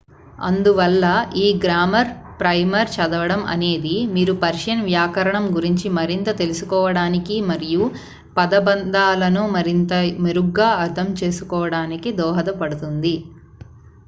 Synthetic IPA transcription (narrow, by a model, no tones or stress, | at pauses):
ɐ̰nd̪uʋɐlːɐʔiːɡɾaːmɐɾpɾɐjmɐɾt͡ʃɐd̪ɐʋɐɽɐmɐ̰ne̞ːd̪imiːɾupɐɾʂɐnʋjaːkɐɾɐɳɐmɡuɾiɲt͡ʃimɐɾint̪ɐt̪e̞lusukɔːʋɐɽaːnikimɐɾiju | pɐd̪ɐbɐnd̪aːlɐnumɐɾint̪ɐmeɾuɡːaːɐɾt̪ʰɐmt͡ʃe̞ːsukɔːʋɐɽaːnikid̪ɔːɦɐd̪ɐpɐɽut̪und̪i